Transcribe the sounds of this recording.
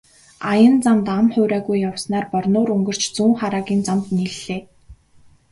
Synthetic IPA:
ajə̆nt͡samt̪amχʊːɾæːɣujːawsnaːrpɔrnʊːɾɵŋɡɵ̆r̥t͡ɕt͡suːŋχaɾaːɣʲiːnt͡samt̪niːɮeː

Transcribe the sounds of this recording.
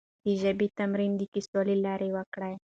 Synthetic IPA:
d̪̥iʒəbit̪ɐmɾind̪ikiswalilɑɾʔewakɽaj

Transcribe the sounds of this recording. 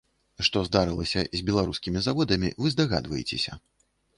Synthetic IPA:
ʂt̪ɔzd̪aɾɨlˠɐsʲɐzʲbʲɛlˠaɾuskʲimʲizavɔd̪ɐmʲḭvɨzd̪aɣa̰d̪vɐjet͡sʲḛsʲɐ

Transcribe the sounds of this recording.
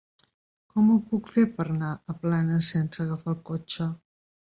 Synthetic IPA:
kɔmupukfepəɾnaəplanəsɛnsəɣəfalˠkot͡ʃə

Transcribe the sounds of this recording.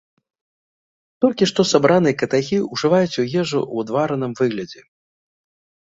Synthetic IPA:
t̪ɔlʲkʲiʂt̪ɔsabɾanɨjɛkɐt̪axʲiuʐɨvajut͡sʲujɛʐṵwad̪vaɾɐnɨmvɨɣlʲɐd͡zʲɛ

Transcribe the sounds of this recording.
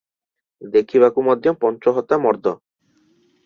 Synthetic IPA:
d̪ekʰiβakumɔd̪ʱjɔpɔnt͡ʃɔɦɔt̪ːamɔɾd̪ɔ

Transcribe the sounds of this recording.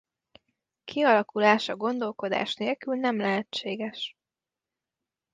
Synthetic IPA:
kʰiɒlɒkulaːʃɒɡo̞nd̪o̞lko̞d̪a̰ːʃneːlkylnɛmlɛɦɛt͡ʃːeːɡɛʃ

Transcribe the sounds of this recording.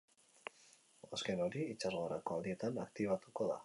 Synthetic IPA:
aske̞no̞ɾiit͡ʃazɣoaɾako̞ald̪ie̞t̪anakt̪iβ̞at̪uko̞ða̰

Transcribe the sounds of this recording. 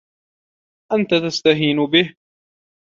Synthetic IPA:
ʔant̪at̪ast̪aɦiːnʊbɪh

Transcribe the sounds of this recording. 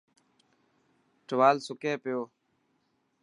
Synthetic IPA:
ʈəʋaːlsʊkeːpɪjoː

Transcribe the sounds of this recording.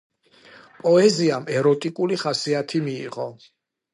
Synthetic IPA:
pʼɔɛziamɛɾɔt̪ʼikʼuliχasiat̪ʰimiːʁɔ

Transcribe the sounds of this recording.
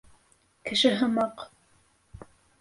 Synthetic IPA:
kɘ̆ʃɘɦɤ̆mɑq

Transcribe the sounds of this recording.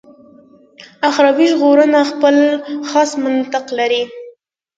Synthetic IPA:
axɾɑbiʒɣoɾənaxpəlxɑsmant̪ɪqlaɾi

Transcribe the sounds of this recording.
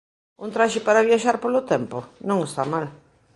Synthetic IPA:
unt̪ɾaʃɪpaɾaβ̞jaʃaɾpolʊt̪ɛmponõŋest̪amal

